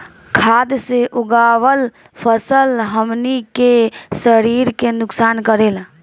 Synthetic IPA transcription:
kʰad̪seʔuɡaʋəl | pʰəsəlɦəmnikesəɾiɾkenʊksankəɾel

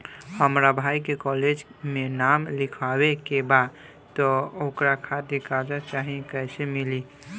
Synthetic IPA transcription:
həmɾabʱaikekɔled͡ʒmenamlikʰawekebad̪ | tt̪ɔokɾakʰat̪ikad͡ʒat͡ʃaɦikəjsemili

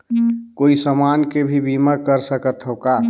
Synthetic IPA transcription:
koːisəmaːnkebʱibiməkəɾsəkət̪ɦoka

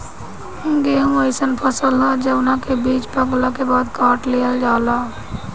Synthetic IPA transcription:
ɡeːɦũeɪsənpʰəsəlɦad͡ʒɐbnakebiːt͡ʃpɐklakebaːd̪kaːʈleːəld͡ʒaːlaː

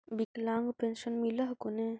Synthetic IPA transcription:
biklaŋɡpenʃənmilɐɦkone

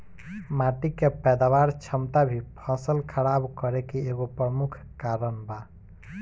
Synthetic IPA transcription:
maʈikepɛd̪awaɾt͡ʃʰəmt̪abʱipʰə̃səlkʰəɽabkəɾekeːɡopɾəmukʰ | kaɾənba

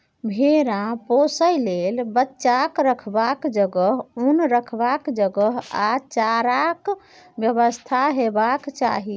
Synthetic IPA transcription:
bʱeɾãposəjlelbətːʃakɾəkʰbakd͡ʒəɡəɦunɾəkʰbakd͡ʒəɡəɦa̰t͡ʃaɾak | bjəβəst̪ʰaɦebakt͡ʃa̰ɦi

